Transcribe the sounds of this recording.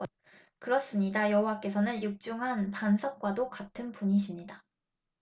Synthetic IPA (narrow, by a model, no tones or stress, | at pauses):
kɯɾʌs͈ɯmɲidajʌɦuwak͈e̞sʰʌnɯnjuk̚t͡ɕ͈uŋɦanpansʰʌk̚k͈wadokatʰɯnpuɲiɕʰimɲida